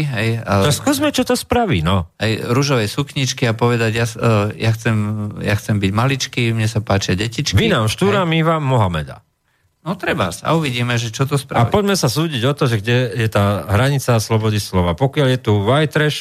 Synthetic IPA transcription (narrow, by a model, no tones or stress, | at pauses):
ɦɛjaɔskuːzmɛt͡ʃɔt̪ɔspɾaʋinɔajɾuʒɔʋɛjsukɲit͡ʃkiapɔʋɛd̪aɟjajaxt͡sɛmjaxt͡sɛmbiɟmalit͡ʃkimɲɛsapaːt͡ʃɪaɟɛcit͡ʃkʋinamʃt̪uːɾamiʋaːɔɦamɛ̰d̪a̰ | nɔt̪ɾɛba̰sa̰uʋiɟiːmɛʒɛt͡ʃɔt̪ɔspɾaaipɔɟmɛsasuːɟiɟɔt̪ɔʒɛɡɟɛjɛt̪aːɦɾaɲit͡saslɔbɔd̪islɔʋapɔkɪaljɛt̪uʋajt̪ɾɛʃ